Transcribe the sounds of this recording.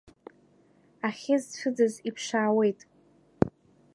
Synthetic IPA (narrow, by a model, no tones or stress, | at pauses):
aχʲɪzfɨd͡zazipʰʂaːwe̞jtʼ